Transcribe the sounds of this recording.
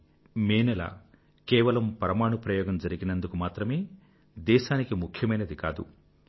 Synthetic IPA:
meːnɛla̰ː | kɛːʋɐlɐmpɐɾɐmaːɳupɾɐjɔːɡɐmd͡ʒɐɾiɡinɐnd̪ukumaːt̪ɾɐmeː | d̪ɛːʃaːnikimukʰjɐmɐjnɐd̪ikaːd̪ṵ

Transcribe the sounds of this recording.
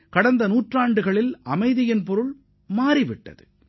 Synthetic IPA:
kɐɽɐnd̪ɐnuːʈraːɳɖɯɣɐɭɪlɐmɐɪðɪjɪnp̬ɔɾɯɭ | maːɾɪʋɪʈːɐ̰ðɯ

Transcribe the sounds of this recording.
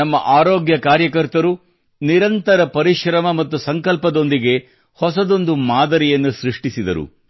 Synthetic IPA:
ɐmːɐ̰ʔaːɾoːɡjɐkaːɾjɐkɐɾt̪ɐɾu | niɾɐnt̪ɐɾɐpɐɾiʃɾɐmɐmɐt̪ːusɐŋkɐlpɐd̪o̞nd̪iɡe̞ | hɔsɐd̪o̞nd̪umaːd̪ɐɾijɐnːuʃɾiʂʈisid̪ɐ̰ɾṵ

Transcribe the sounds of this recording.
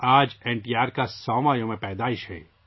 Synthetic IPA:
aːd͡ʒɛ̃ːɳʈiːaːɾkasɔːmaːjõmẽpɛːd̪aːɪʃɦɛ̰ː

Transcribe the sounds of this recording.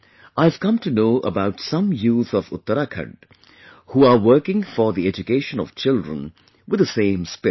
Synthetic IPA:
ʔaɪv̥kʌ̃mtunoːʔə̰baʊtsʌ̃mjuːzɔvʊ̰t̪ːəɾakʰə̰̃ɳɖ | huːawɜ˞kɪ̃ŋfɔðiɛd͡ʒukeʃə̃nɔ̰v̥t͡ʃɪldɹə̰̃n | wɨd̪əsẽɪ̃mspɪ

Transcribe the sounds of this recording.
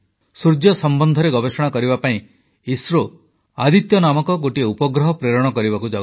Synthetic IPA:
suɾd͡ʒjɔsɔmbɔnd̪ʱɔɾeɡɔbesɔɽ̃akɔɾibapaĩ | isɾo | ad̪ʱit̪jɔnamɔkɔɡoʈieupɔɡɾɔɦɔpɾeɾɔɽ̃ɔkɔɾibakud͡ʒa

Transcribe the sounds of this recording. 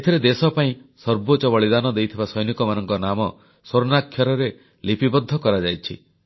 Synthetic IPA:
et̪ʰiɾed̪esɔpaĩsɔɾbot͡ʃɔbɔɭid̪anɔd̪ejt̪ʰibasɔjnikɔmanɔŋkɔnamɔ | soɾnakʰːjɔɾɔɾe | lipibɔd̪ʱːɔkɔɾad͡ʒajt͡ʃʰḭ

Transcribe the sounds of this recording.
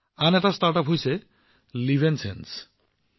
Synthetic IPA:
anɛʈasʈaɾʈɔpɦojse | libʱensḛns

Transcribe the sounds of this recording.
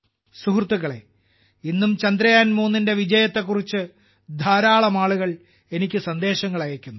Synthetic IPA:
suɦrt̪ːuɣɐɭe | inːumt͡ɕɐnd̪ɾɐjaːnmuːnːinde̞ʋid͡ʑɐjɐt̪ːe̞kːurit͡ɕːɨ | d̪ʱaːɾaːɭɐmaːɭuɣɐɭ | e̞nikʲːɨsɐnd̪e̞ːɕɐŋːɐɭɐjɐkʲːunːu

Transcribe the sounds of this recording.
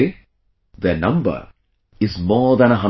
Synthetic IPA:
d̪ənʌ̃mbə̰ɾ | ɪzmɔːd̪æ̃ñəɦʌ̃

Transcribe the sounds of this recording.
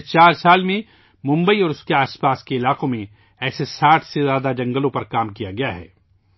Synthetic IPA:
t͡ʃaːɾsaːlmẽ | mʊ̃mbəiɔːɾʊskeaːspaːskeɪlaːqõmẽ | ɛːsesaːʈʰsezjaːd̪ad͡ʒɐ̃ŋɡəlõpɐɾkaːmkijaɡɐjaɦɛ̰ː

